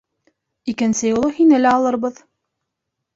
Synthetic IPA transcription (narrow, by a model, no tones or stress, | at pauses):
ikɘ̆nsɘjulˠɤhinɘlæɑlˠɤɾβɤð